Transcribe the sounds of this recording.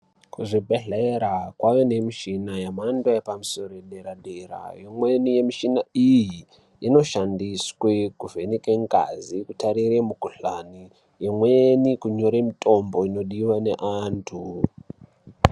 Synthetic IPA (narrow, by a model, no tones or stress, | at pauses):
kuʐibʱeɮeɾakwawene̞miʃinajamandaepamuso̞ɾojeɗeɾaɗera̰jomwe̞nije̞miʃinaiji | ino̞ʃandiswekuvʱenikeŋɡa̰zikutaɾiremukuɬani | jemwenikuɲo̞ɾemitʼo̞mbo̞ino̞ɗiwane̞ʔaːntʰu